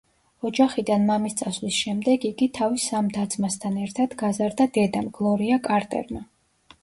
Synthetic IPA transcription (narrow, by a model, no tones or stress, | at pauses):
ɔd͡ʒaχid̪anmamist̪sʼasvlisʃɛmd̪ɛɡiɡit̪ʰavisːamd̪ad̪zʰmast̪ʰanɛɾt̪ʰad̪̥ɡazaɾd̪ad̪ɛd̪amɡlˠɔɾiakʼaɾt̪ʼɛ̰ɾma